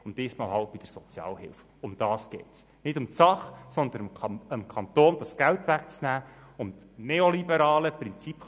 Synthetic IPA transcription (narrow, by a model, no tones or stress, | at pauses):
ʊndd̥iːsmɑːlɦɑlt̚b̥ɪd̥əɾsɔt͡sjɑ̰ːlɦɪ̰lf | ʊmd̥̪ɑːsɡ̥ɛːts | nɪdʊmtt͡sɑχsɔnd̪ənəmkʰɑnt̪oːnd̥̪ɑsɡ̥æltʋækt͡snæːʊmt | neolibəɾɑːləprɪnt͡sip